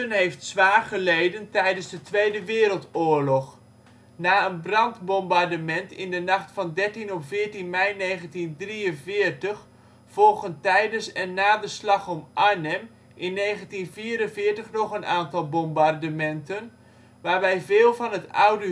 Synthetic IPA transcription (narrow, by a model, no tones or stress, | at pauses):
ənɦejftsʋaːɹχəlejdəntɛjdənzdətʋejdəʋɪːɾəlˠtʊːɹlɔχ | naːənbrɑndbɔmbardəmɛntɪ̰ndənɑχtfɑndɛɹtinɔpv̥ɪːɹtinmɛjnejχəntindriənvɪːɹtəχ | fɔlˠχəntɛjdənsɛnːaːdəslɑχɔmʔanɛm | ʔɪnːejχəntinviːɾənvɪːɹtəχnɔχənʔaːntɑlˠbɔmbardəmɛntən | ʋaːɹʋɛjvɪːlˠvɑnɦətawdə